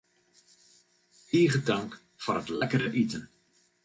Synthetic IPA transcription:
iːɣədaŋk | forətlɛkəɾəʔitən

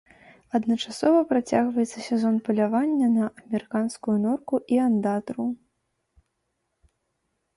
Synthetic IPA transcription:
ɐd̪nɐt͡ʂasɔvɐpɾat͡sʲaɣvɐjɛt̪sɐsʲɛzɔnpɐlʲavanʲːɐnɐʔɐmʲɛɾɨkanskujunɔrkuʔiand̪at̪ɾu

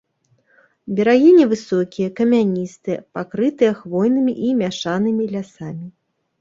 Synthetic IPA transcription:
bʲɛɾaɣʲinʲivɨsɔkʲijɐkɐmʲanʲist̪ɨjɐpakɾɨt̪ɨjɐxvɔjnɨmʲiʔimʲaʂanɨmʲilʲasamʲi

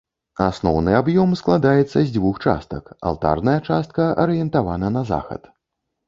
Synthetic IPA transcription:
asnɔwnɨabjɔmsklˠad̪ajɛt̪sːɐzʲd͡zʲvuxt͡ʂa̰st̪ɐka̰lˠt̪a̰rnɐjɐt͡ʂast̪̚kɐʔɐɾɨjɛnt̪avanɐnɐza̰xɐ̰t̪

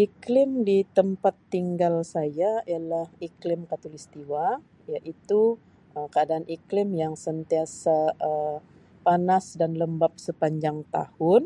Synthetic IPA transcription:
ʔiklɪmdit̪əmpat̪ːiŋɡalsajaijalahiklɪmkat̪ulist̪iwa | jaʔit̪u | ʔəkəadaːniklɪmjaŋsənt̪iasaə | panasdanləmbap̚səpaɲd͡ʒaŋt̪a̰hʊn

